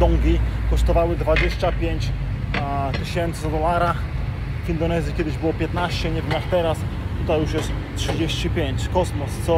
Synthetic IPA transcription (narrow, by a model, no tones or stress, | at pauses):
d̪ɔŋɡʲikɔʂt̪ɔvawɘd̪vad͡ʑeɕt͡ɕapʲjeɲt͡ɕ | t̪ɘɕɛnt̪sɘɔd̪ɔlaɾa | vind̪ɔnɛzʲikʲɛd̪ɘʑbɘwɔpʲjɛt̪naɕt͡ɕɛɲɛvɲʲaxt̪ɛɾast̪ut̪ajuʂjɛʂ | tʂɘd͡ʑeɕt͡ɕipʲjeɲt͡ɕkɔsmɔst̪sɔ